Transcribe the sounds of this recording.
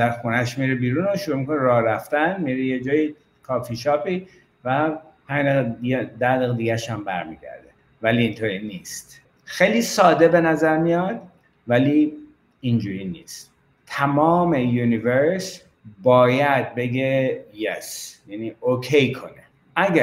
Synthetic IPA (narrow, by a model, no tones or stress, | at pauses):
zæɾxunæʃmiːɾebiːɾuːnoʃuɾuːmikʰo̞neɾɒːɾæft̪ænmiːɾejed͡ʒɒːji | kʰɒːfiʃɒːpiː | væhæneɣed̪ædiɣed̪iɡæʃæmbæɾmḭːɟæ̰ɾd̪e | væliːnt̪ʰoːɾiniːst̪ | xejliːsɒːd̪e̞be̞næzæɾmijɒd̪̥ | væliː | ind͡ʒuːɾiːnḭːst̪ | t̪ʰæmɒːme̞juniveɾs | bɒːjæd̪̚be̞ɡejesjæniːokʰejkʰo̞̰ne | ʔæɡæ